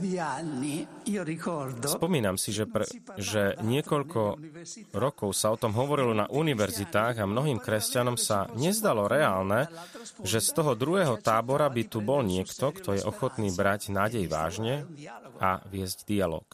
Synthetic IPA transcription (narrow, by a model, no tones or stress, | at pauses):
d̪ianːiiːoɾikɔɾd̪ɔspɔmiːnamsiʒɛpɛʒɛɲɪɛkɔʎkʰɔ | ɾɔkɔʊsaɔt̪ɔmɦɔʋɔɾilɔna̰ʔuniʋɛɾzit̪aːɣamnɔɦiːmkɾɛscanɔmsaɲɛzd̪alɔɾɛaːlnɛʒɛst̪ɔɦɔd̪ɾuɦɛːɦɔt̪aːbɔɾabit̪ubɔlɲɪɛkt̪ɔkt̪ʰɔjɛʔɔxɔt̪niːbɾaɟnaːɟɛjʋa̰ːʒɲɛʔa̰ʋɪɛzɟd̪ialɔ̰ːk